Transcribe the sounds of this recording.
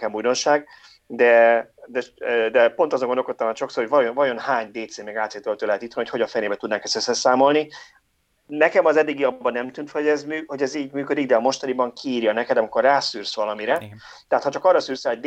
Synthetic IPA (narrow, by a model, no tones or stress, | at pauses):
kɛmbujd̪o̞nʃaːɡ | d̪ɛd̪ɛd̪ɛpo̞nt̪ɒzoŋɡod̪olkot̪ːɒmaːnʃo̞ksorhovɒjovɒjo̞nhaːɲd̪eːt̪seːmeːɡaːt̪seːt̪ølt̪øːlɛt̪it̪vɒniocho̞ɟɒɱfɛjneːbɛt̪ud̪naːkɛsɛsɛsaːmo̞lni | nɛkɛmɒzɛd̪ːiɡiɒbːɒnɛmt̪ynt̪fɛɟɛzmyːho̞ɟɛziːɟmyːkød̪iɡd̪ɛɒːmo̞ʃt̪ɒnibɒŋkʰiːɾjɒnɛkɛd̪ɒmikːo̞rːaːsyːrsʋɒlɒmiɾɛ | t̪ɛɦaːt̪hɒt͡ʃɒkɒrːɒsyːrsɛɦo̞d̪